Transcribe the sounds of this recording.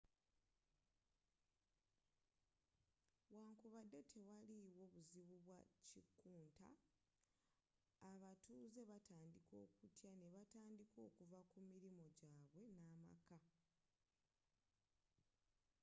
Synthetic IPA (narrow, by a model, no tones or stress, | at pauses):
waːŋkuβadːe̞tʰe̞waliwo̞βuziβuβwacikːuːnta̰ | βatuːze̞βataːndiko̞ːkutjane̞βataːndiko̞ːkuvakumiɾimo̞ɟaːβwe̞naːma̰ka